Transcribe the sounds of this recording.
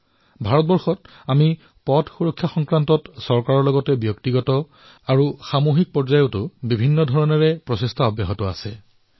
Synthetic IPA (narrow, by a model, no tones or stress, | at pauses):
bʱaɹɔt̚bɔɹxɔt | ami | pɔdʰʱxuɹɔkʰːjaxɔŋkɹantɔtsɔɹkaɹɔɹlɔɡɔtɛbjɔktiɡɔtɔ | aɹuxamoɦik̚pɔɹzajɔtʊbibʱinːɔdʱɔɹɔnɔɹɛpɹɔsestʰaɔbjaɦɔtɔa̰sɛ